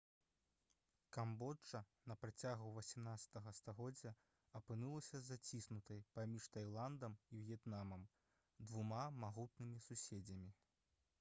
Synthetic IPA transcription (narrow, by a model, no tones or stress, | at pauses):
kambɔt͡ʂːɐnɐpɾat͡sʲaɣuvɐsʲimnat̪sɐ̥t̪ɐɣɐst̪aɣɔd͡zʲːɐ | ɐpɨnulˠɐsʲɐzat͡sʲisnut̪ɐjpamʲiʂt̪ajlˠand̪ɐmivʲjɛt̪namɐm | d̪vumamaɣut̪nɨmʲisusʲed͡zʲɐmʲi